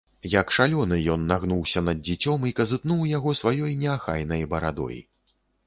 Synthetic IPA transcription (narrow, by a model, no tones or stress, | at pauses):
jɐkʂalʲɔnɨjɔnːaɣnuwsʲɐnɐd̪̚d͡zʲit͡sʲɔmikɐzɨt̪nuwjaɣɔsvajɔjnʲɛaxa̰jnɐjbɐɾad̪ɔ̰jḭ